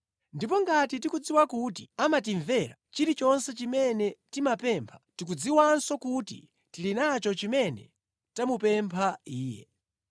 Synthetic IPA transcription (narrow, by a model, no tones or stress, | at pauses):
ndipɔŋɡatitikud͡ziwakutiamat̬iɱvɛɾa̰t͡ʃiɾit͡ʃɔnsɛt͡ʃimɛnɛtimapɛmpʰḁtik̬ud͡ziwansɔkutḭ | tilinat͡ʃɔt͡ʃimɛnɛ̰ | tamupɛmpʰaiːjɛ̰